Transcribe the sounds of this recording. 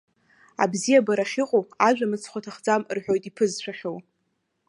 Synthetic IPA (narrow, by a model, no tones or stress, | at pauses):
a̰bzijabaɾaχiqʼoaʒᶣʷamɨt͡sʰχʷatʰaχd͡zamrħʷᶣo̞jtʼipʰɨzʃʷᶣaχʲow